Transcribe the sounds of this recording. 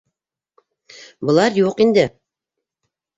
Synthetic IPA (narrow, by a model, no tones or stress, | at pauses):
bɤ̆lˠɑɾjuqind̪ɘ